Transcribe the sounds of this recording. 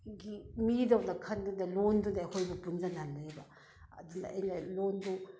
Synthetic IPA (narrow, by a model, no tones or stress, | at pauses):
ɡimidawnɐkʰɐndunɐlondunaːhʰojbupunzananːaebɐ | ɐ̰dunɐ̰ɐjnɐlondu